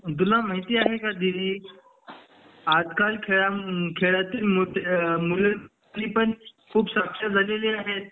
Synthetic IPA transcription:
d̪ulamaɦit̪iːaɦekad̪iliː | ad̪kalkʰeɭakʰeɭat̪iːlmumulən | liːpəɳkʰuːpsəkʂad͡zʱaleliːaɦet̪̚

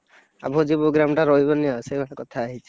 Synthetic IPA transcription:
a̰bɔd͡ʒiboɡɾamʈaɾɔɦibɔniɔsejbaɾakɔt̪ʰaːɦit͡ʃʰi

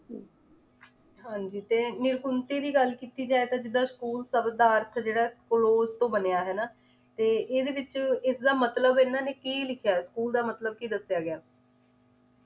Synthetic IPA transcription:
ɦãːɲd͡ʒiːt̪eːnɪɾkʊnt̪iːd̪iːɡəlkiːt̪iːd͡ʒaːeːt̪ãːd͡ʒɪd̪ːaːskuːlsəbd̪aːəɾt̪ʰd͡ʒeːɽaːskloːzt̪õːbənejaːɦɛːnaː | t̪eːʔɪːd̪eːʋɪt͡ʃɪsd̪aːmət̪ləbɪnːãːneːkiːlɪkʰjaːskuːld̪aːmət̪ləb̚kiːd̪əsjaːɡɪjaː

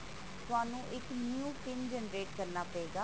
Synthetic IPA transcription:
t̪ʊaːnũːʔɪknjũːʈɪnd͡ʒɛnɾeːʈkəɾnaːpəeːɡaː

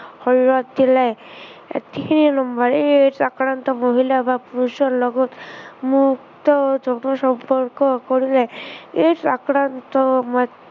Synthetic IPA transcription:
hɔɹiɹɔt̚dilajḛt̪ikʰininɔmbaɹeetakɹant̪ɔmoɦilabapuɾusɔlɔɡɔt̪mukt̪ɔd͡ʒɔnɔsɔmpɔɹkɔkoɹilajetakɾant̪ɔma

